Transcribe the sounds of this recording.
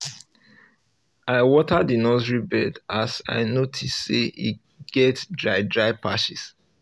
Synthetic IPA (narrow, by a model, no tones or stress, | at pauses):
aɪwɔtadinɔzɹibɛdasa̰ɪnotʰisːeḭ | ɡ̥ɛtdɹaɪdɹaɪpʰaʃis